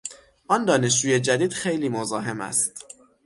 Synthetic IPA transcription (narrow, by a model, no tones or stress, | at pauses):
ʔɒnd̪ɒːne̞ʃ̬d͡ʒuːje̞d͡ʒæd̪iːd̪̥xe̞jliːmozɒːɦemæ̰st̪